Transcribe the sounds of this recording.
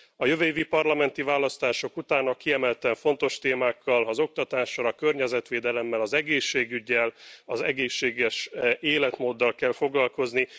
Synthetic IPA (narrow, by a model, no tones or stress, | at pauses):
ɒjøvøivipɒrlɒmɛnt̪ivaːlɒst̪aːʃo̞kut̪aːnɒkiɛmɛlt̪ɛɱfo̞n̪t̪o̞ʃt̪eːmaːkːɒlɒzo̞k̚t̪ɒt̪aːʃːɒlɒkørɲɛzɛt̪ʋeːd̪ɛlɛmːɛlɒzɛɡeːʃːeːɡyɟːɛlɒzɛɡeːʃːeːɡɛʃeːlɛt̪moːd̪ːɒlkɛlfo̞ɡlɒlko̞zni